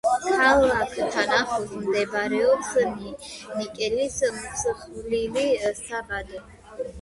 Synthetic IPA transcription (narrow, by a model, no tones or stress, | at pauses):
kʰalˠakʰt̪ʰanaχusmd̪ɛbɾɛɔpsninikʼɛlismt̪sʰχulilist̪ʰabad̪